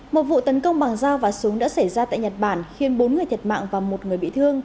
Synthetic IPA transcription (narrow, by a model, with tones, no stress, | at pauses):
mo˨˩t̚vṵ˧˨t̪ə˨˦nkə˧wŋ͡mɓa˨˩ŋzaː˧wvaː˨˩su˨˦əŋɗa̰ː˧˥sə˧˩jzaː˧t̪a̰ː˧˨jɲə˨˩t̚ɓaː˧˩nxi˧ənɓo˨˦nŋɨ˨˩jt̪ʰə˨˩t̚ma̰ː˧˨ŋvaː˨˩wmo˨˩t̚ŋɨ˨˩əjɓḭ˧˨t̪ʰɨ˧əŋ